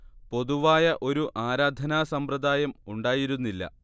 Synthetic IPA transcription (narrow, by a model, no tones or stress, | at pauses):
po̞ðuʋaːjɐʔo̞ɾuʔaːɾaːd̪ʱɐnaːsɐmprɐd̪aːjɐmuɳɖaːjiɾunːilːɐ̰